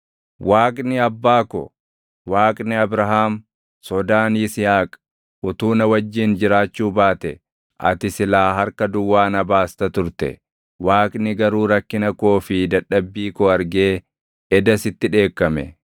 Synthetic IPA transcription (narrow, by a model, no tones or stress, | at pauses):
wʔaːkʼnɪɐbːaːkɔ̰ | waːkʼnɪɐbɾɐɦaːm | sɔd̪aːnisɪhaːkʼ | ʔʊt̪uːnɐwɐd͡ʒːɪːnd͡ʒɪɾaːt͡ʃːuːbaːt̪ɛ | ʔɐ̰t̪ɪsɪlaːɦɐɾkɐd̪ʊwːaːnɐbaːst̪ɐt̪ʊɾt̪ɛ̰ | waːkʼnɪɡɐɾuːɾɐkːɪnɐkoːfɪd̪ɐᶑːɐbːiːkɔɐɾɡeː | ɛd̪ɐsɪt̪ːɪᶑe̞ːkːɐmɛ̰